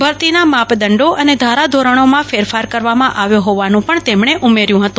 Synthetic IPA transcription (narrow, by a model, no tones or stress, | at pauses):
bʱəɾt̪inamapd̪əɳɖoʔəned̪ʱaɾad̪ʱoɾəɽ̃omãfeɾfaɾkəɾʋamãʔaʋjoɦoʋanũpəɳt̪emɳeʔumeɾjũɦət̪ũ